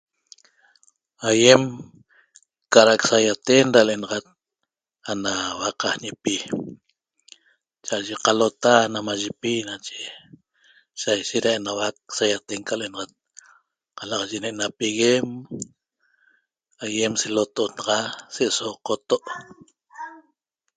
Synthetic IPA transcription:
ajem | kaɾaksajat̪enɾalenɑʁat̪̚ | anawaqahɲepi | t͡ʃaʔʒeqalot̪anamaʒepinat͡ʃe̥ | sajʃet̪ɾaenawak̚sajat̪eŋkalenɑʁat̪̚ | qalaqʒeneʔnapiɣem | ajemselot̪onɑʁɑseʔsoqot̪oʔ

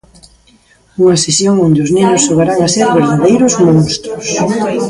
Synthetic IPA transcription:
uŋɐsesjoŋond̪eʊznẽnʊsːoɣaɾaŋaseɾβeɾðaðejɾʊzmõŋst̪ɾʊs

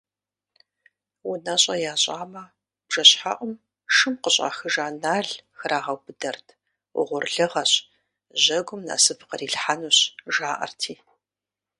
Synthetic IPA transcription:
wʊnaɕʼɐjaːɕʼaːmɐ | b̥ʒ̥ɐɕħa̰ʔʷʊm | ʂɨmqəɕʼa̰ːxɨʒaːnaːɮxɐrʔaːʁɐwbɨdɐrtʰ | ʊ̰ʁʷʊrɮɨʁɐɕʼ | ʑɐɡʷʊmna̰ːsɨfʰqɐriːɬħanuːɕʒaːʔɐ̰rtʰiː

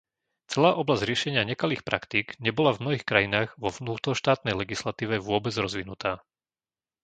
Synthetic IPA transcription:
t͡sɛlaːʔɔblazɟ̥ɾɪɛʃɛɲɪaɲɛkaliːxpɾʔakt̪iɡɲɛbɔlavmnɔɦiːxkɾajinaːɣʋɔʋnuːt̪ɾɔʃt̪aːt̪nɛjlɛɡislat̪iːʋɛʋʊɔbɛd͡zɾɔzʋinut̪aː

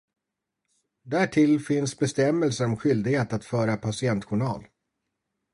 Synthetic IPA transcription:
d̪æʈʰɪlfɪnsbɛst̪ɛmːɛlsəɾɔmɧʏld̪ɪɡheːt̪at̪fœːɾapʰasɪɛnt̪ɧʊɳɑ̰ːl

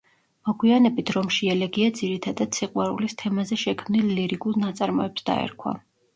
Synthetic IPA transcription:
mɔɡwianɛbit̪ʰɾɔmʃiɛlɛɡiad̪ziɾit̪ʰad̪ad̪̥sʰiqʼwaɾulist̪ʰɛmazɛʃɛkʰmnilːiɾiɡulˠnat̪sʼaɾmɔɛpsd̪̥a̰ɛ̰ɾkʰwa̰

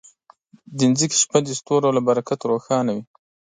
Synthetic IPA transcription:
d̪ənzike̥ʃpad̪əst̪oɾolabaɾakat̪ɾoxɑnawi

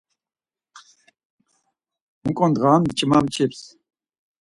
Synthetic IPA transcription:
uŋkʼɔnd̪ʁaːmd̪t͡ʃʼmamt͡ʃʰips

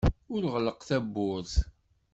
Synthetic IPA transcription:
ʊɾʁləqθæbːʊɾθ

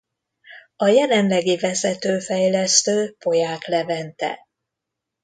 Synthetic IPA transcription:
ɒjɛlɛnlɛɡivɛzɛt̪øːfɛjlɛst̪øːpo̞jaːklɛvɛnt̪ɛ̰

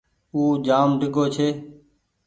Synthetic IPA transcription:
uːd͡ʒaːmɖɪɡoːt͡ʃʰeː

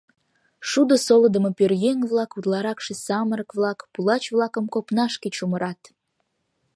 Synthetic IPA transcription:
ʃud̪osoləd̪ə̆mopørjeŋβlɑkud̪lɑɾɑkʃesɑməɾəkβlɑkpulɑt͡ɕvlɑkə̆mkopnɑʃket͡ɕuməɾɑt̪

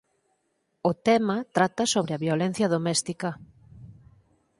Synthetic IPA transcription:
ʊt̪ɛmɐt̪ɾat̪ɐsoβɾɪɐβjolen̟θjɐðomɛst̪ikɐ

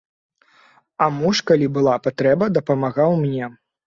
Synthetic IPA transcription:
ɐmuʂkalʲibɨlˠapat̪ɾɛbɐd̪ɐpɐmaɣawmnʲɛ

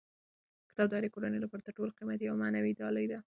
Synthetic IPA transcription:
kɪ̥t̪ɑbd̪ɑɾikoɾanelɑpaɾt̪aʈolqimat̪ijawmanawid̪ɑləjd̪a

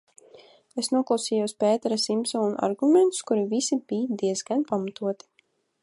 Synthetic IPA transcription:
esnuɔklˠawsiːjuwsʲpɛːt̪ɛɾasimsauna̰ɾɡumɛnt̪skuɾivisibijd̪iɛzɡanpamat̪uɔt̪i̥

